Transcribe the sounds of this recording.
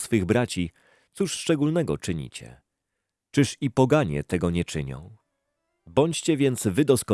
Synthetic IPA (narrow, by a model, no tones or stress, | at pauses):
sfɘɣbɾat͡ɕi | t̪suʂʂt͡ʂɛɡulnɛɡɔ̰t͡ʂɘɲḭt͡ɕɛ̰ | t͡ʂɘʂipɔɡaɲɛ̰t̪ɛɡɔɲɛt͡ʂɘɲɔ̰̃w̃ | bɔɲt͡ɕt͡ɕɛvʲjɛnt̪svɘd̪ɔskɔ